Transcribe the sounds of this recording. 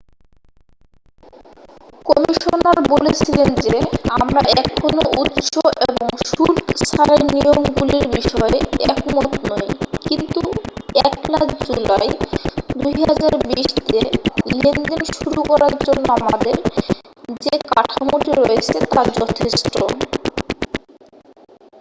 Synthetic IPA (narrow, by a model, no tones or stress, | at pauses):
kɔmiʃonaɾbolet͡ɕʰilend͡ʑeamɾaɛkʰonout̪ʃoʔeeboŋʃuɾksaɾennijomɡuliɾbiʃɔeeɛkmot̪nojkint̪uɛklakd͡ʑulajd̪ujɦad͡ʑaɾbiʃt̪elend͡ʑenʃuɾukɔɾaɾd͡ʑonːoamad̪eɾ | d͡ʑekaʈʰamoʈiɾojet͡ɕʰet̪ad͡ʑɔt̪ʰeʃʈo